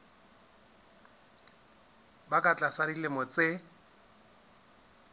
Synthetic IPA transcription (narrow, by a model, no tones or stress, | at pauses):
bakʼat͡ɬʼasaɾilemʊt͡sʼɪ